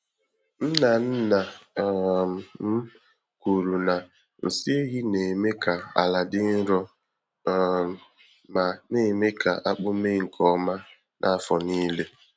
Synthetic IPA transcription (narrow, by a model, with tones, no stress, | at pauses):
n̩˦na˨n̩˦na˨ | m̩˦ | ku˨ɾu˨na˨ | n̩˨si˦e˦ɣi˦ne˨me˦ka˨a̰˨la˨dɪ˦n̩˦ɾɔ˦ | ma˨ne˨me˦kʰa̰˨ʔa˦k͡pʊ˦me˦ŋ̩˨kʰɔ˨ma˦ | nʔa˦a˦fɔ˨niː˦le˦